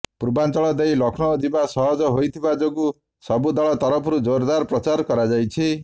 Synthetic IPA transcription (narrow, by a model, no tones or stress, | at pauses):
puɾbant͡ʃɔɭɔd̪ejlɔkʰnɔd̪ibasɔɦɔd͡ʒɔɦojt̪ʰibad͡ʒɔɡu | sɔbud̪aɭɔt̪ɔɾɔpʰɔɾud͡ʒoɾd̪aɾpɾɔt͡ʃaɾkɔɾad͡ʒajt͡ʃʰi